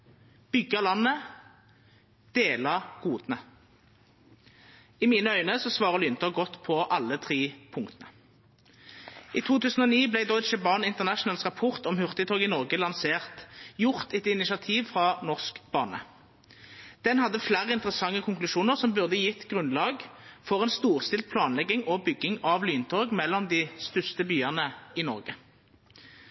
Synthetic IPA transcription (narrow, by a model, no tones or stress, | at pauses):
b̥ʏɡːəlɑnːə | d̪̥eːlɑɡ̥uːd̪nə | ɪmiːnəœʏnəsɔsʋɑːʁəʁlʏnt̪ɔɡɔt̪ːpʰɔʔɑlːət̪ʰʁiːpʰʊŋkt̪ənə | iːt̪ʰuːt̪ʰʉːsən̩ɔːniːblæɪd̪ɔʏt͡ʃəbɑnɪnt̪əʁnæʃnəlsʁɑpʰɔʁt̪ɔmhʉʁt̪ət̪ʰoːɡɪnɔʁɡəlɑnseːʁt̪jʊʁt̪ɛt̪ɪnɪʃɑt̪ʰiːʋfʁɑnɔʁskb̥ɑːnə̰ | d̪̥ɛnhɑd̪ːəflæːʁəɪnt̪əʁəsɑŋːəkʰʊŋklʉʃuːnəʁsɔmbʉʁd̪əjɪt̪ːɡʁʉnlɑːɡfɔʁɛːnst̪uːʁst̪ɪlt̪̚pʰlɑːnlɛɡːɪŋɔbʏɡːɪŋɑʋlyːnt̪ʰoːɡmɛlːɔmd̪ist̪ʉst̪əbyːɑʁnəɪnɔʁɡə